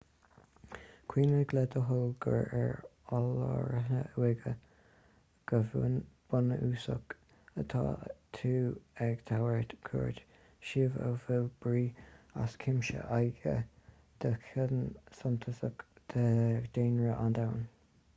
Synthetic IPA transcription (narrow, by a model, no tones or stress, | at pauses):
kʰwiːnəɡlɛd̪əɦəlɡə̰ɹɛɹ | ɔlɔɹɦə̰wɪɡə | ɡ̥əvnb̥ʊnəʔuːsək | ət̪ʰa̰ːt̪ʰuːɛɡt̪ʰawəɹt̪kʰɔ̰ɹd̪ | ʃiːvə̰vɪlb̥ɹiːa̰skʰɪmʃə̰ʔajɡə̰ | d̪̥əkʰɪdənsʊnt̪ʰəsəkd̪̥əd̪̥eːnɹəʔand̪awn